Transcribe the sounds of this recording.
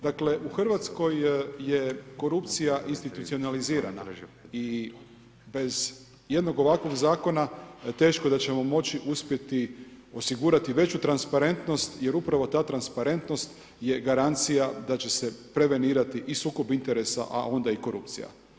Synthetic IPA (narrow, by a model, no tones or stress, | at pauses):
d̪akle̞ʔuxr̩ʋat̪sko̞jje̞ko̞ɾupt̪sijaʔinst̪it̪ut̪sio̞naliziːɾa̰na̰i | be̞z | je̞d̪no̞ɡo̞ʋakʋo̞ɡzaːko̞nat̪e̞ːʃko̞d̪at͡ɕe̞mo̞mo̞t͡ɕiʔuspje̞t̪io̞siɡuɾat̪iʋe̞t͡ɕut̪ɾanspaɾe̞nt̪no̞st̪je̞ɾupɾaʋo̞t̪aːt̪ɾanspaɾe̞nt̪no̞st̪ | je̞ɡaɾant̪sijad̪at͡ɕe̞se̞pɾe̞ʋe̞niːɾat̪iʔisuːko̞bint̪eɾe̞sa̰ʔa̰o̞nd̪aiko̞ɾṵp̚t̪sḭja̰